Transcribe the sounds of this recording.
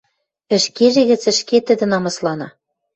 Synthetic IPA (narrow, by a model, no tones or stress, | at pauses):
ɘ̆ʃkeʒĕɣɘ̆t͡sɘ̆ʃket̪ɘ̆d̪ɘ̆nɑmɑslɑnɑ